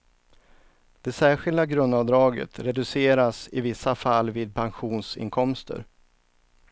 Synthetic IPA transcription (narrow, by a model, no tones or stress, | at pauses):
d̪̥ɛsæːɧɪld̪aɡɾɵnd̪avd̪ɾɑːɡə̰t̪ɾɛd̪ɵseːɾasɪvɪsːafalːviːd̪̚pʰanɧuːnsɪ̰nkʰɔmst̪ə̰ɾ